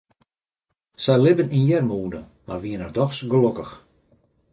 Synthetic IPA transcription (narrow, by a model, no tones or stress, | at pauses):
sɛlɪbəninjɛrmuːdə | ma̰rʋiənərdɔxsɡəlokəx